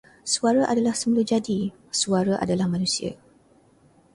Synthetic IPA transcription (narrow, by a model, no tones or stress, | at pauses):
suaɾaʔadalahsəmulud͡ʒadi | suaɾaʔa̰dalahmãnũsia̰